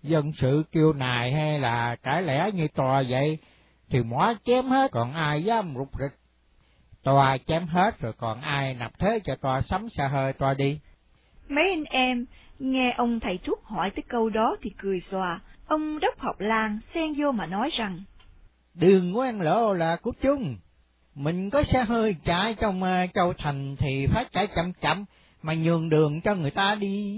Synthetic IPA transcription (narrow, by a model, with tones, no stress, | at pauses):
zə˧nsɨ̰˧˨ki˧əwnaː˨˩jɦa˧jlaː˨˩kaː˧˩jlɛ̰˧˩˥ɲɨ˧t̪waː˨˩və̰˧˨j | t̪ʰi˨˩mwaː˨˦t͡ɕɛ˨˦mhe˦˥t̚kɔ˨˩nʔaː˧jzaː˨˦mzʊ˨˩k͡p̚zi˨˩k̚ | t̪waː˧t͡ɕɛ˨˦mɦe˦˥t̚zɔː˨˩jkɔ˨˩nʔaː˧jna˨˩p̚t̪ʰe˨˦t͡ɕɔ˧t̪waː˧sa˨˦wŋ͡msaː˧ɦəː˧jt̪waː˧ɗi˧ | mə˨˦jʔa˧ŋ̟ʔɛ˧mŋɛ˧ʔə˧wŋ͡mt̪ʰə˨˩jt̪ʰu˦˥ək̚hɔ˧˩jt̪əː˨˦jkə˧wɗɔ˨˦t̪ʰi˨˩kɨ˨˩əjswaː˨˩ʔə˧wŋ͡mɗə˦˥wk͡p̚hɔ˨˩wk͡p̚laː˧ŋsɛ˧ŋzo˧maː˨˩nɔ˨˦jza˨˩ŋ | ɗɨ˨˩əŋːwɛ˧nlo̰˧˥laː˨˩ku˨˦t͡ɕʊ˧ŋ͡m | mï˨˩ŋ̟kɔ˨˦saː˧ɦəː˧jt͡ɕaː˧˥jt͡ɕɔ˧wŋ͡mt͡ɕə˧wt̪ʰa˨˩jŋ̟t̪ʰi˨˩faː˨˦˥jt͡ɕaː˧˩˦jt͡ɕə˧˩mt͡ɕa̰˧˨˩m | maː˨˩ɲɨ˨˩əŋɗɨ˨˩əŋt͡ɕɔ˧ŋɨ˨˩əjt̪aː˧ɗi˧